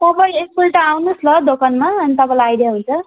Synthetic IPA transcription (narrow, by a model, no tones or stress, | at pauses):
t̪ʌbʌieskulʈaawnuslʌd̪okanmaʌnit̪ʌpãlaajdjaɦunt͡sʰʌ